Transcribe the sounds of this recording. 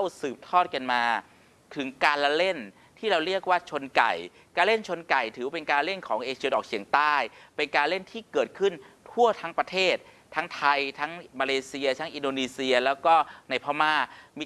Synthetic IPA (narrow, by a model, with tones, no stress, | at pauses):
a˥˩wsɯː˨˩p̚t̪ʰɔː˥˩t̪̚ka˧nmaː˧ | t̪ʰɯ˩˦ŋkaː˧nla˦˧le˥˩n | t̪ʰiː˥˩ɾa˧wɾi˥˩ək̚waː˥˩t͡ɕʰo˧nka̰˨˩j | kaː˧nle˥˩nt͡ɕʰo˧nka˨˩jt̪ʰɯː˩˦pe˧nkaː˧lle˥˩nkʰɔː˩˦ŋʔeː˧t͡ɕʰi˧dɔː˨˩k̚t͡ɕʰi˩˦əŋt̪aː˥˩jpe˧nkaː˧nle˥˩nt̪ʰiː˥˩kɤː˨˩t̪̚kʰɯ˥˩nt̪ʰu˥˩ɐt̪ʰa˦˥ŋpɾa˧t̪ʰeː˥˩t̪̚ʰːa˦˥ŋt̪ʰa˧jt̪ʰa˦˥ŋmaː˧leː˧si˧ɐt̪ʰa˦˥ŋʔi˧ndoː˧niː˧si˧ɐlɛː˦˥wkɔː˥˩na˧jpʰɔ˧maː˧miː˧